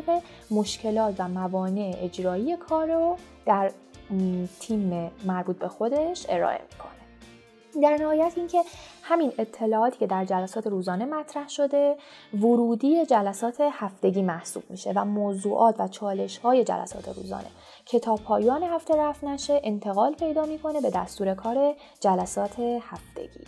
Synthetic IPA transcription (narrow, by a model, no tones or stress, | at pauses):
ɣe | moʃcʰe̞lɒːt̪ʰvæmævɒːne̞ʔeʔed͡ʒɾɒːiːje̞kʰɒːɾo | d̪̥æɾ | t̪ʰiːmemæɾbuːt̪̚be̞xo̞d̪e̞ʃe̞ɾɒ̰ːʔe̞̰mi̥kʰo̞̥̰ne | d̪æɾnæhɒːjæt̪ʰiːncʰe̞hæmine̞t̪ʰːe̞lɒːɒːt̪ʰiːcʰe̞d̪æɾd͡ʒælæsɒːt̪ʰe̞ɾuːzɒːne̞mæt̪ʰɾæhʃo̞d̪e̞voɾuːd̪iːjed͡ʒælæsɒːt̪ʰe̞hæft̪e̞ɟʲiːmæhsṵːb̥miʃevæmoːzuːʔɒːt̪ʰvæt͡ʃʰɒːle̞ʃhɒːje̞d͡ʒæ̰læ̰sɒ̰ːt̪ʰe̞̰ɾṵːzɒ̰ːnʔe̞̰ | cʰe̞t̪ʰɒːpʰɒːjɒːnehæft̪e̞ɾæfnæʃe̞ʔent̪ʰe̞ɣɒːlpʰe̞jd̪ɒːmiːkʰo̞ne̞be̞d̪æst̪uːɾe̞kʰɒːɾe̞ | d͡ʒælæsɒːt̪ʰe̞hæft̪e̞̰ɟ̥ḭː